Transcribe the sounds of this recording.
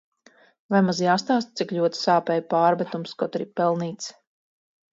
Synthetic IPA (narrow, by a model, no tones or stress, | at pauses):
vajmazjaːst̪aːst̪̚t̪sikʎʲuɔt̪saːpɛjpaːɾbɛt̪umskɔt̪ɾipɛlˠniːt̪s